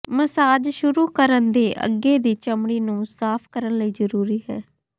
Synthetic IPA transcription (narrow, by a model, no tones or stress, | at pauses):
məsaːd͡ʒʃʊɾuːkəɾənd̪eːʔə̰ɡːeːd̪iːt͡ʃəmɽiːnũːsaːpʰkəɾənləiːzəɾuːɾiːɦɛ̰ː